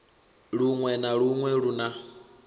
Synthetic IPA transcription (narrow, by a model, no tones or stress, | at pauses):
ɺuŋwɛnaɺuŋwɛɺuna